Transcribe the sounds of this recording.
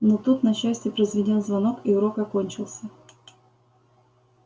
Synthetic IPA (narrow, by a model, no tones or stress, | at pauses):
not̪ut̪nɐɕːæsʲtʲɪpɾəjzvʲɪdʲo̞nzvɐno̞kiʊɾo̞kɐko̞nʲt͡ɕɪlˠsʲə